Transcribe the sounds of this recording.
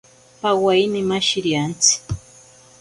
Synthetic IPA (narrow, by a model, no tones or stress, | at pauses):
pawajnɪmaʃɪɾjant͡sɪ̥